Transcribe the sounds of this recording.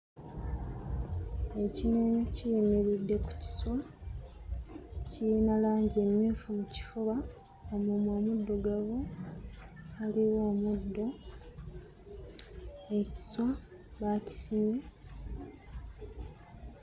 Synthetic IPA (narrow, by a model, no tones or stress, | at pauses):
e̞cineɲocijimiɾidːe̞ku̥ci̥swa | ciinalaːɲɟe̞mjuːfumuci̥fuβa | omumoːmudːo̞ɡaβo | aliwo̞ːmudːo̞ | eci̥swa | βaci̥sime̞